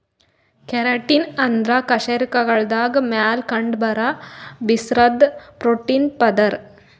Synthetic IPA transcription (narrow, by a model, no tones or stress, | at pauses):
keɾɐʈinɐnd̪ʱɾaːkɐʃeːɾikɐɡɐɭd̪aːɡmjaːlkɐɳɖbɐɾabisɾɐd̪pɾoːʈiːnpɐd̪ɐɾ